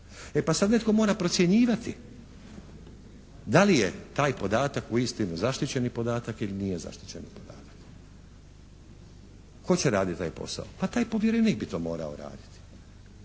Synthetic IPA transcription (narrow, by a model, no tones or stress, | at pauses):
epasad̪ne̞t̪ko̞mo̞ːɾapɾot̪sje̞ɲiːʋat̪i | d̪alijet̪aːjpo̞d̪aːt̪akuist̪inuzaʃt̪it͡ɕe̞nipo̞d̪aːt̪akilinijeza̰ʃt̪i̥t͡ɕe̞nipo̞d̪a̰ːt̪ḁk | ko̞t͡ɕeɾaːd̪it̪t̪ːaːjpo̞̰sa̰opat̪aːjpo̞ʋjeɾenik̚bit̪o̞ːmo̞̰ːɾa̰o̰ɾa̰ːd̪i̥t̪i̥